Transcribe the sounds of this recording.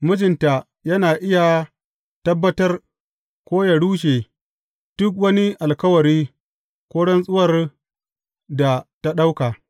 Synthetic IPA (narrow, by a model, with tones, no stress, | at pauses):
mʊ˦d͡ʒɪ˨nta˨ | jɐ˦naː˨ʔɪ˦ja˨ | tɐ˦bːɐ˦tɐ˦r | kʷoː˦ja˨ɽuː˦ʃeː˨ | d̥ʊ˦k̬wɐ˦ni˦ʔa˨lkɐ˦wɐ˨ɾiː˦ | kʷoː˦ɽɔ˦nsʼʊ˦wɐ˨r | da˨ta˦ɗa˦wka˨